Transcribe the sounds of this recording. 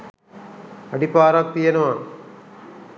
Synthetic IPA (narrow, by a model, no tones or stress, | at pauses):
ɐɖipaːɾak̚pijɐnɐʋa